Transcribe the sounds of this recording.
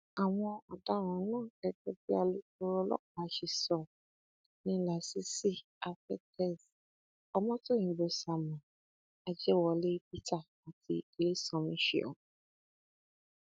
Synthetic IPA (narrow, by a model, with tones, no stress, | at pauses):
a˨w̃ɔ̃˧a˨da˨˧˦ɾ̃ã˨˦lãː˦˨ɛ˧ɡɛ˦bi˦a˧lu˦tu˧ɾɔ˧˦lɔ̰˦˨k͡pa˨˧˦ʃi˨sɔ˨ | nĩ˦la˨si˨˦si˦ | a˧fɛ˦tʰɛ˦˨s | ɔ˧mɔ̃˦to˦˨ĩ˨˦bo˧sa˨mã˨ | a˧d͡ʒɛ˦˨wɔ˧le˦p̚i˦ta˦˨ | a˨tʰḭ˧i˨le˦sɔ̃˦˨mĩ˧˦ʃḛ˨ɔ̰˨